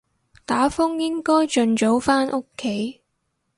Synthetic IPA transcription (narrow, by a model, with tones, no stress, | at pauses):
t̪aː˨˥fʊ˥ŋjɪ˥ŋkɔː˥jt͡ʃɵ˨˧nt͡so˨˥wfaː˥nʔʊ˥kʰːe˨˥j